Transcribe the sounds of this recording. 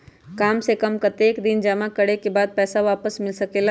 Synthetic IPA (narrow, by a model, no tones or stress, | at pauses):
kaːmsekɐmkɐt̪eːkd̪ɪnd͡ʒɐmakɐɽekebaːd̪̚pɛːsaʋaːpəsmɪlsɐkela